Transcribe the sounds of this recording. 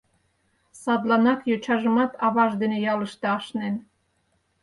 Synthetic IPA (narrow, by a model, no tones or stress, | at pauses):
sɑd̪lɑnɑkjot͡ɕʰɑʒə̆mɑt̪ʰɑβɑʒd̪enejɑləʃt̪ɤɑʃnen